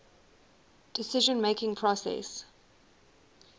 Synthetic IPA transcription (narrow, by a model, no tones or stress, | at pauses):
d̥ɪsɪʒə̃nmeɪkɪ̃ŋpʰɹ̥ɔsɛ̰s